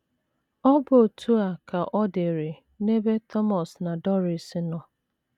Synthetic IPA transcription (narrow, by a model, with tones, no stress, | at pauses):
ɔ˦bo˨tʰu˦a˨ka˨ʔɔ˦de˨ɾe˨ | ne˦be˦tʰɔ˦mɔ˨sna˨dɔ˦ɾi˨sɪ˦nɔ˨